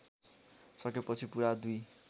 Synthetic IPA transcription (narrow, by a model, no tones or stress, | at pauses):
sʌkepʌt͡sʰipuɾad̪uj